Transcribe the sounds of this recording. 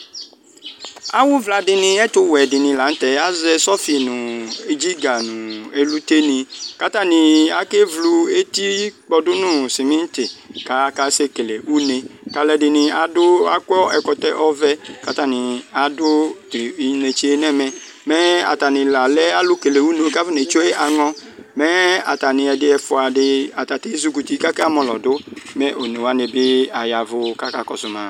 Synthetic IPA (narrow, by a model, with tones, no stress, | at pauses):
a˦wʊ˦vla˨dɪ˨nɪ̃˨ɛ˦t̪ʊ˦wɛ˨dɪ˨nĩ˨la˨n̩˦t̪ɛ˨a˦zɛ˦sɔ˦fi˨nʊ̃˨e˨d͡ʒi˦ɡa˨nʊ̃˨e˨lu˦t̪e˦nĩ˨ka˦t̪a˦˨nĩ˨a˦ke˦vlu˧e˦t̪i˦k͡pɔ˨dʊ˦nʊ̃˦si˨mĩ˦n˦t̪ɪ˨ka˨ka˨se˦ke˨le˨wu˦ne˨ka˨lɛ˨dɪ˨nɪ̃˨a˨dʊ˦a˦kɔ˦ɛ˨kɔ˨t̪ɛ˦ʔɔ˦vɛ˦ka˨ta˦nɪ˨a˨dʊ˦ti˨i˨˦ne˨t͡ʃi˦e˦nɛ˦mɛ˨ | mɛ˦a̰˨ta˨nɪ̃˨la˨lɛ˦a˦lʊ˦ke˨le˨wu˦no˨˦ka˦vi˦ne˨˦t͡ʃo˦e˦a˨ŋɔ˦mɛ˦a̰˨ta˨nɪ̃˨ɛ˨dɪ˦ɛ˨fʊ˨a˨dɪ˧a˨ta˨te˦zu˦ku˨ti˦ka˦ka˦a˦mɔ˨lɔ̰˨dʊ˦mɛ˦ʔo˨ne˨wa˦ne˨bɪ˦a˨ja˨vʊ˦ka˦ka˨kɔ˨sʊ˨ma˨